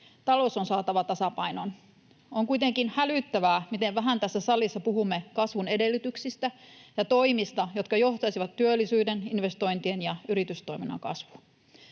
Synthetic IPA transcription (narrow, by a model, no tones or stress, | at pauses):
t̪ɑlo̞sonsɑːt̪ɑʋɑt̪ɑsɑpɑinon | oŋkuit̪e̞ŋkinhælyt̪ːæʋæːmit̪e̞ʋʋæɦænt̪æsːæsɑlˑːisːɑpuɦumːekɑsʋune̞de̞lːyt̪yksist̪æjɑt̪o̞imist̪ɑjo̞t̪kɑjo̞ht̪ɑsiʋɑt̪ːyølːisyːdeninʋe̞st̪o̞int̪ienjɑyɾit̪yst̪o̞iminːɑ̰kɑ̰sʋu̥